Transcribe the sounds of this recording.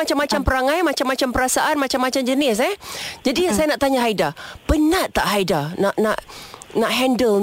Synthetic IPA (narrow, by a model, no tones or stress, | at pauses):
at͡ʃamːat͡ʃampəɾaŋajmat͡ʃamːat͡ʃampəɾasaʔanmat͡ʃamat͡ʃamd͡ʒənɪs̬ɛd͡ʒadisajanaʔt̪aɲaɦaidapənaʔt̪ːaʔɦaidanaʔnaʔnaʔɦɛ̃ndəl